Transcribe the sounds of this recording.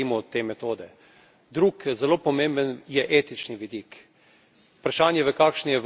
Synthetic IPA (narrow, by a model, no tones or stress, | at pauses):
imɔːt̪ːeːmɛt̪oːd̪ɛ | d̪ɾukzɛloːpɔmembənjɛʔeːt̪it͡ʃniʋid̪ik | upɾaʃaːnjɛʋəkaːkʃnijɛʋ